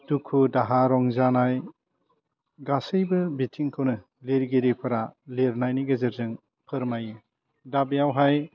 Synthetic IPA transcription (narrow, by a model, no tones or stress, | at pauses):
dukʰudaɦaɾɔŋzanaj | ɡasɯjbɯbitʰiŋkʰɯwnɯ | leɾɡeɾipʰɯɾaleɾnajniɡɯzɯɾzɯŋ | pʰɯɾmajɯ | dabijawɦaj